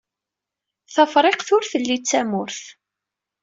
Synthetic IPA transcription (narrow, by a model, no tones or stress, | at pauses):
θəfɾˤeqθʊɾθəlːit͡sːæmʊɾθ